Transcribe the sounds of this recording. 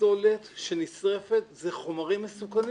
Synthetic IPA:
olet̪ʃe̞nit͡sʁefet̪zeχo̞maʁimːesukani

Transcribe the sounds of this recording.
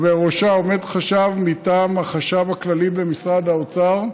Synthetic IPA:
veʁoʃao̞me̞d̪χaʃavmitaːmhaχaʃavhaklalibe̞misʁad̪haot͡saʁ

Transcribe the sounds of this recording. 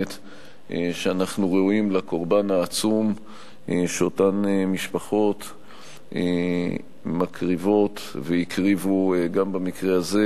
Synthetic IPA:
t̪ | eʃeanaχnuʁeuimlako̞ʁbanaːt͡sum | eʃeotanemiʃpaχo̞t | e | makʁivo̞t̪ | vejikʁivuɡambamikʁeaze

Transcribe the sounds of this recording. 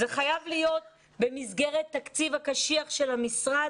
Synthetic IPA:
zeχajavlijo̞t̪̚ | be̞mizɡe̞ʁet̪ːakt͡sivakaʃiaχʃe̞lhamisʁa

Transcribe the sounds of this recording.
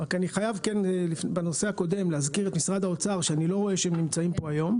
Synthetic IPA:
ʁakaniχajavkenlifnebeno̞seako̞de̞mleɦazkiʁet̪misʁad̪aot͡saʁʃeanilo̞ʁo̞e̞ʃeemnimt͡saimpo̞ajo̞m

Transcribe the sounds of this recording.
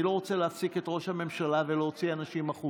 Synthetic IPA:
lo̞ʁot͡seleafsiketʁo̞ʃhame̞mʃalaveleɦot͡sianaʃimaχu

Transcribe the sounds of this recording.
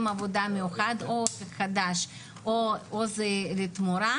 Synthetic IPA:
mavod̪amejuxad̪obexad̪aʃ | oozɛlet̪muɾa

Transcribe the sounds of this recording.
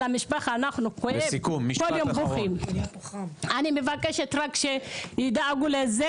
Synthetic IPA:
amiʃbaxanaχnukokumːkoljombuxim | animevakeʃet̪ɾakʃenid̪aaɡuleze

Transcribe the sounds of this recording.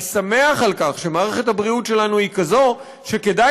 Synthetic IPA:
same̞aχalkaχʃe̞maːʁeχethabʁiutʃe̞lanuhikazo̞ | ʃe̞ke̞da

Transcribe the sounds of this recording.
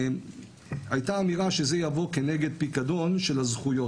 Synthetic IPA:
ajtaːmiʁaʃe̞ze̞javo̞ke̞ne̞ɡe̞d̪̚pikado̞nʃe̞lazχujo̞

